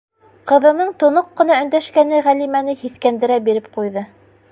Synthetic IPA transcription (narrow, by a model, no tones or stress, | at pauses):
qɤ̆ðɤ̆nɤɴt̪ŏnoqːɤ̆nɑɵ̆nd̪æʃkænɘʁælimænɘhiθkænd̪ɘ̆ɾæbiɾɘp̚qujðɤ